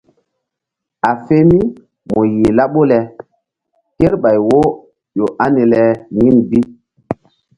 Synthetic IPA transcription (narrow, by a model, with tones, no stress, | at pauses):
a˨fe˦mi˦ | mɔ˨ji˨la˦ɓo˦lɛ˨ | ke˦ɾɓa˨jwo˦ | jo˨ʔa˦ni˨lɛ˨ŋi˦nbi˦